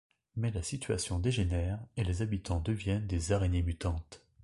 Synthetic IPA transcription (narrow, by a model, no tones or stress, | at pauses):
mɛlasit̪ɥa̰sjɔ̃d̪eʒenɛʁelezabit̪ɑ̃d̪əvjɛnd̪ezaʁenjemyt̪ɑ̃t̪